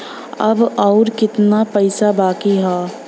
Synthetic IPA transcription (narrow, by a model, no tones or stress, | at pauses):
ɐbɔːɾkɪt̪napəɪsabaːkiɦɔː